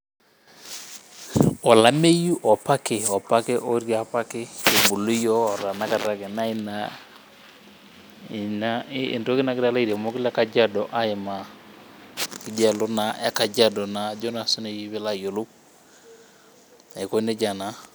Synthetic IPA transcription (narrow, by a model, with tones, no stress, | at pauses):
ɔ˨la˦me˦ju˦ʔɔ˨pa˦kɪ˨ɔ˨pa˦kɪ˦ʔo˦ɾja˨˦pa˦kɪ˦e˨ɡ͡bu˨lu˦jɔ˦˨ɾa˨na˦ka˨ɾa˦kɪ˨na˦ɪ˦na˨ | na̰˦˨nto˦kɪ˦na˨kɪ˦ɾa˦la˦i˨ɾe˨mo˦kɪ˦la˦ka˨d͡ʒa˦dɔ˨ʔa˦ɪ˨ma˨ | kɪ˨d͡ʒa˦˨lʊ˦na˨e˦ka˨d͡ʒa˦dɔ˨na˨d͡ʒɔ˦na˨sʊ˦ne˨ji˦βɪ˦la˦jo˨lu˦k̚ | a˨ko˦ne˦d͡ʒa˨na˨˦